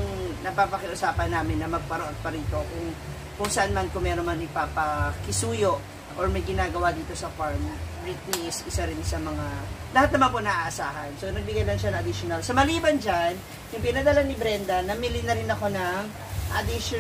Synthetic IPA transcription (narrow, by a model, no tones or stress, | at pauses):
nɐpapɐkɪʔʊsaːpɐnːaːmɪnːɐmɐɡ̚pɐɾoʔɐt̪̚pɐɾiːt̪o̞kʊŋ | kʊŋsɐʔanmankʊmɛːɾomɐnɪpaːpɐkɪsuːjoʔ | ʔoɹmɐjɡɪnaːɡɐwad̪iːt̪o̞sɐfaɹmɹɪt̪̚miɪsʔɪsaɾɪnsɐmɐŋalɐhat̪̚nɐmanponɐʔaːʔɐsaːɦɐnsonɐɡ̚bɪɡajlɐŋʃɐnɐŋɐd̪ɪʃonɐlsɐmɐliːbɐnd͡ʒan | jʊŋpɪnɐd̪ɐlanːɪbɾɛnd̪ɐnɐmɪlɪnːɐɾɪnɐko̞nɐŋ | ʔɐ̰d̪ɪʃ